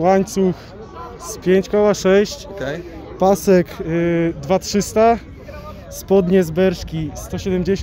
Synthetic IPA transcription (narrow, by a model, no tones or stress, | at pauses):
waɲt̪sux | spʲjeɲt͡ɕkɔwaʂɛɕt͡ɕɛpasɛkd̪vatʂɘst̪a | spɔd̪ɲɛzbɛɾʂkʲist̪ɔɕɛd̪ɛmd͡ʑeɕ